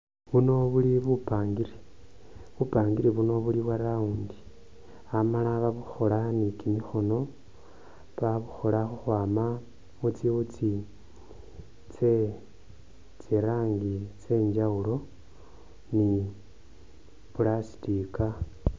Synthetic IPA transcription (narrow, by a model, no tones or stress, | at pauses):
βuno̞βuliβupaːŋɡiɾi | βupaːŋɡiɾiβuno̞βuliβwaɾauːndi | amalaβaβuxo̞lanikimixo̞no̞ | βaβuxo̞laxuxwaːma | mut͡siβut͡si | t͡se | t͡siɾaːŋɡit͡se̞ːɲd͡ʒaulo̞ | ni | pulasi̥tika